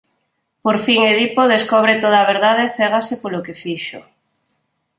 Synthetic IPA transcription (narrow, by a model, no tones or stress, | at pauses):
poɾfiŋeðipoðeskoβ̞ɾet̪oðaːβeɾðað̞eθeɣasepolokefiʃo̰